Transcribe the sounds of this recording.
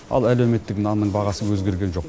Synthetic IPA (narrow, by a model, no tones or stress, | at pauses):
ɑ̰lˠælewme̞t̪ːɪknɑnnːəɴbɑʁɑsəwɵzɡʲe̞ɾɡʲe̞nʒo̞q